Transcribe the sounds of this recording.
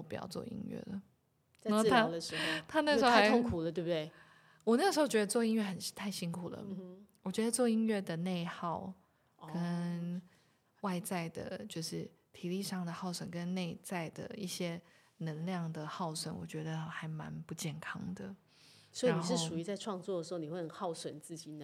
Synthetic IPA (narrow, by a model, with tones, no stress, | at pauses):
pu˨˥jɑ̰˥˧ʊt͡swɔ̰˥˧˩ḭ˥ŋɥɛ̰˥˩lə˩ | a˥t̪ʰa˥˨ə˧ʂt̪ʰa˥n˥˩əʂ̩˥˧˥o˥a˧t̪ʰo˥ŋkʰu˨˩lə˩t̪we˥˧but̪we˥˩ɪ | wɔ˨˩na˥˩ɡəʂ̩˧˥xo˥˩ʊt͡ɕɥɛ˧˥d̪ə˧t͡swɔ˥˧i˥nɥɛ˥˩xə˨˩n˥˩t̪ʰa˥˩ɪɕi˥nkʰu˨˩lə̰˦wɔ˨˩t͡ɕɥɛ˧˥d̪ə˧t͡swɔ˥˧i˥nɥɛ˥˩d̪ə˩ne˥˧ɪxɑ˥˩ʊ | kə˦˥n | wa˥˧ɪt͡sa˥˩ɪd̪ə̰˩t͡ɕjo˥˧ʊʂɻ̩˥˩t̪ʰi˨˩li˥˧ʂɑ˥˩ŋd̪ə˩xɑ˥˩ʊʂwə˨˩nkə˦nne˥˧ɪt͡sa˥˩ɪd̪ə̰˩i˥˩ɕjɛ˥ | nə˧˥ŋljɑ˥˩ŋd̪ə˩xɑ˥˩ʊswə̰˨˥˦nwɔ̰˨˩t͡ɕɥɛ˧˥d̪ə˧xa˧˥ɪma̰˧˥npu˧t͡ɕjɛ˥˩nkʰɑ̰˥ŋd̪ə˨ | swi˧a˦ni˨˩ʂɻ̩˥˧˩ʂu˨˩y˧˥t͡sa˥˧ɪʈ͡ʂʰwɑ˥˧ŋt͡swɔ˥˩d̪ə˩ʂɻ̩˧˥o˥˩ni˨˩we˥˩ɪxə˨˩xɑ˥˩ʊswə˨˩nt͡sɹ̩˥˩t͡ɕi˨˩˦